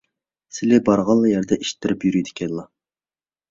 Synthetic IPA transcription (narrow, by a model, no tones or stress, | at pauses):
sɪlɪbɑɾʁɑlˠːɑjɛɾd̪ɛʔiʃt̪ʰːɪɾɪpjyɾyjd̪ɪ̥kʲʰɛnlˠɑ